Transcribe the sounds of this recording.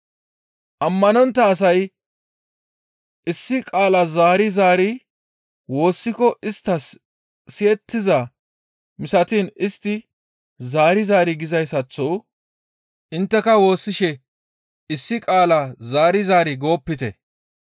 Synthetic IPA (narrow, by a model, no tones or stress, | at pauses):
ʔɐmːɐnɔnt̪ːɐːs̬ɐj | ʔɪsːɪkʼaːlɐzaːɾɪzaːɾɪ | wo̞ːsːɪkɔʔɪst̪ːɐs | sɪjɛt̪ːɪzɐ | mɪsɐt̪inɪst̪ːɪ | zaːɾɪzaːɾɪɡɪzɐjsɐt͡sːɔw | ʔɪnt̪ːɛkɐwo̞ːsːɪʃɛ | ɪsːɪkʼaːlɐzaːɾɪzaːɾɪɡo̞ːpːɪt̪ɛ̰